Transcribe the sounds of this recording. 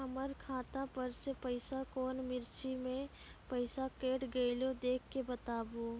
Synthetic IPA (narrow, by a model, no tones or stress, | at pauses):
ɐməɾkʰaːt̪apɐɾsepəɪsakɔːnmɪɾt͡ʃimẽ | pəɪsakeːʈɡəilod̪eːkʰːebɐt̪aːboː